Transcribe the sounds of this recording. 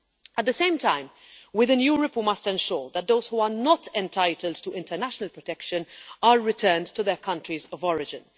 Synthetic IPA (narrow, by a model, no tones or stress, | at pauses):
ʔət̚d̪əsẽɪ̃mtãɪ̃m | wɪðənjuːɹəpmʌstɛ̃nʃɔːɹðət̚d̪oʊz̥huːənɔtɛ̃ntʰaɪtʰəld̚tuʔɪ̃ntənæʃənəlpɹɔtɛkʃə̃naɹːɪtʰɜːndtuðɛkʰʌ̃ntɹizɔvɔɹɪd͡ʒɪ̃n